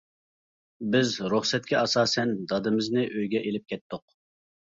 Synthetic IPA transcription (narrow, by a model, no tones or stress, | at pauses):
bɪzɾuχsɛt̪̚kʲʰɛɑsɑːsɛnd̪ɑd̪ɨmɪznɪʔøjɡʲɛʔelɪp̚kʲʰɛt̪ːʊq